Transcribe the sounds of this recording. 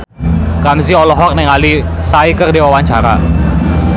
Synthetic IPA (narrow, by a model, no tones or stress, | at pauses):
kams̬iɔlɔɦɔk̚nɛŋalisaikərdiwawaɲt͡ʃaɾa̰